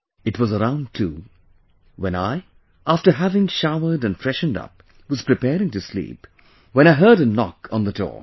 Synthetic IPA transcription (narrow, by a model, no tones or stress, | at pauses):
ɨt̚wʌzəɹãʊ̃ntʰṵ | wɛ̃naɪ | ʔæftə˞ɦævɪ̃ŋʃaʊə˞ɾɨ̃nfɹɛʃndʌ̰p̚ | wʌz̥pʰɹ̥ɨpʰɛɹɪ̃ŋtɨslḭp | wə̃ñaɪɦɜ˞ɾɨnɑ̰kʰn̩ðədɔ̰ɹ